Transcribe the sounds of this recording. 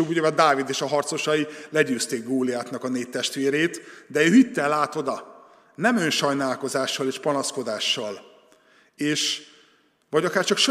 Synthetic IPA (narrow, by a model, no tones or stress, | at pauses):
ubuɟɛɛd̪aːvid̪eːʃɒɦɒrt̪so̞ʃɒilɛɟøːst̪eːɡɡoːliaːt̪nɒkɒneːtt̪ɛʃt̪ʋeːɾeːt̪d̪ɛøːɦit̪ːɛlːaːt̪o̞d̪ɒ | nɛmønʃɒjnaːlko̞zaːʃːɒleːʃpɒnɒsko̞d̪aːʃːɒl | eːʃ | vɒɟɒkaːrt͡ʃɒkʃ